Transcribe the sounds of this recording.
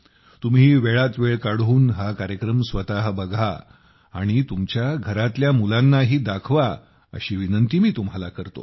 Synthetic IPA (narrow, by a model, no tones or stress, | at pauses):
t̪umɦiːʋeɭat̪ʋeɭkaɽuːnɦakaɾjəkɾəmsʋət̪aɦəbəɡʱa̰ː | ɽ̃it̪umt͡ɕjaɡʱəɾat̪ljamulãnːaɦiːd̪akʰʋa | ə̰ɕiːʋinənt̪iːmiːt̪um̤ɦalakəɾt̪o̰